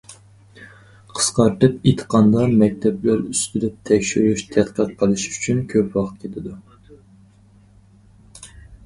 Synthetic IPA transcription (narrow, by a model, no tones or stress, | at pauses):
qʰə̥sqɑɾt̪ɨpet̪ʰə̥qɑnd̪ɑmɛk̚ʲt̪ʰɛplæɾyst̪ɪlɛp̚t̪ʰɛkʲʃyɾuʃt̪ʰɛt̪qʰət̪qʰəlˠɨʃy̥t͡ʃʰynkʲʰøpʰwɑχt̪̚kʲʰet̪ʰɪd̪u